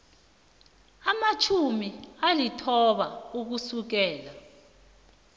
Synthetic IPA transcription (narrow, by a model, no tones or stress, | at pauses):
amat͡ʃʰumialitʰɔɓauk̬usuk̬ɛːla